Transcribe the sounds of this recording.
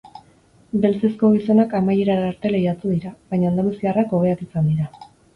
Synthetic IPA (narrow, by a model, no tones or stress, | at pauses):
be̞lt͡se̞sko̞ɣ̞iso̞nakamajeɾaɾɾt̪e̞lejat̪uðiɾaβajɲaːnd̪alusiarako̞β̞e̞ak̪isand̪iɾa